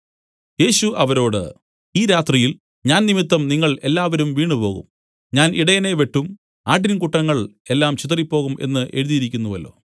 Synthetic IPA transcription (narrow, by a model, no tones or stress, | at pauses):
je̞ːɕuʔɐʋɐɾo̞ːɽɨ̰ | iːɾaːt̪rijil | ɲaːnnimit̪ːɐmniŋːɐɭe̞lːaːʋɐɾumʋiːɳɨpo̞ːɣṵm | ɲaːnʔiɽɐjɐne̞ʋe̞ʈːum | aːʈ̬ːinmkuʈːɐŋːɐɭe̞lːaːmt͡ɕit̪ɐripːo̞ːɣume̞̰nːɨʔe̞ɻuðijiɾikʲːunːuʋɐ̰lːo̞̰ː